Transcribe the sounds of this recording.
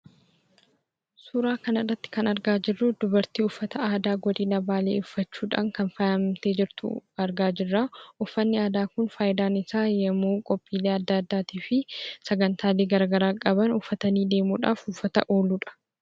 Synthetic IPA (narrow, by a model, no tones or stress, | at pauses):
suːɾaːkɐnɐrːɐt̪ːɪ̥kɐnɐɾɡaːd͡ʒɪrːʊd̪ʊbɐɾt̪iːʊfːɐt̪ɐaːd̪aːɡɔd̪iːnɐbaːlḛːʊfːɐt͡ʃːuːᶑa̰ːŋkɐnfɐɐmt̪e̞ːd͡ʒɪɾt̪ʊ̰ɐɾɡaːd͡ʒɪrːaːʔʊfːɐnːɪaːd̪aːkʊnfaːjɪd̪aːnɪsaːjɛmuːkʼɔpʼːiːleːɐd̪ːaːɐd̪ːaːt̪iːfɪsɐɡɐnt̪ʰaːleːɡɐɾɡɐɾaːkʼɐbɐnʊfːɐt̪ɐniːd̪e̞ːmṵːᶑa̰ːfʊfːɐt̪ɐʔo̞ːluːᶑɐ̥